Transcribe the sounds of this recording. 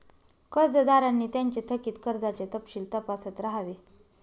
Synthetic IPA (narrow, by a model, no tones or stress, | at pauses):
kəɾd͡zəd̪aɾanːiːt̪jaɲt͡ɕet̪ʰəkiːt̪kəɾd͡zat͡ɕet̪əpɕiːlt̪əpasət̪ɾaɦaʋe